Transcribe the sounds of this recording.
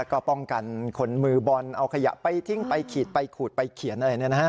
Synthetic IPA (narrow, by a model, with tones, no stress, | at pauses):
kɔː˥˩pɔ˥˩ŋka˨˩nkʰo˧nmɯː˧bɔ˧nʔa˧wkʰa˧ja̰˨˩ʔpa˧jt̪ʰi˧˩ŋpa˧jkʰiː˨˩t̪̚pa˧jkʰuː˨˩t̪̚pa˧jkʰi˨˩˦nʔa˧a˧ni˥˩˨na˦˥˦